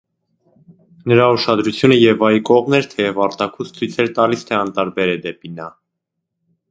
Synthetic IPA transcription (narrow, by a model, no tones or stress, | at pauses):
nəɾɑuʃɑd̪ɾut͡sʰjunəjɛvɑjkɔʁmnɛɾt̪ʰɛjɛvɑɾt̪ɑkʰust͡sʰijt͡sʰɛɾt̪ɑlist̪ʰɛɑnt̪ɑɾbɛɾɛd̪ɛpinɑ